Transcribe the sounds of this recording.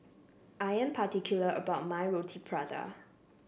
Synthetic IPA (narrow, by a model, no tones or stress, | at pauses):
ʔajɛ̃mpʰatikʰjuləʔə̰baʊt̚majɹotʰibɹadə̰